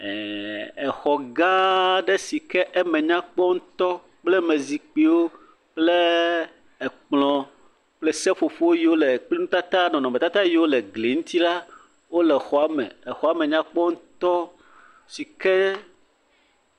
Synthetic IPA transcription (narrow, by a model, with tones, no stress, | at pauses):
ɛ˨ɛ˨xɔ˨ɡã˦ɖɛ˦si˨kɛ˦ʔɛ˦mɛ̃˨ɲã˦k͡pɔ˦ŋũ˦t̪ɔ˦ | k͡plɛ˦mɛ̃˨zi˨k͡pi˦wo˦ | k͡ple˦ | ɛ˨k͡plɔ̃˨ | k͡plɛ˦sɛ˦fo˨fo˦wo˦ji˨wo˦lɛ˨k͡pli˦nũ˦t̪a˦t̪a˦nɔ̃˨nɔ̃˨me˨t̪a˦t̪a˦ji˨wo˦lɛ˨ɡli˨ŋũ˦t̪i˦la˦ | wo˦lɛ˨xɔ˨a˨mɛ̰̃˨ɛ˨xɔ˨a˦mẽ˨ɲã˦k͡pɔ˦ŋũ˦t̪ɔ˦ | si˨kɛ˦